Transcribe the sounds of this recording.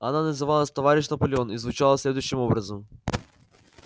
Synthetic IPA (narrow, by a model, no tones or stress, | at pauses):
ananɛzɐvalˠɐst̪ovaɾiʃnɐpolʲiɔnizvut͡ʃalˠɐslɛd̪vuʃt̪imɔbɾɐzom